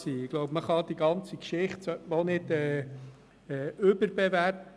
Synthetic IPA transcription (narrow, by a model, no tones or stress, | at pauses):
siːɪɡ̥lɔʊpməχɑd̥̪iɡɑnt͡sikʃɪχtsʋonɪdɛː | ɛːøbəɾbɛvæɾ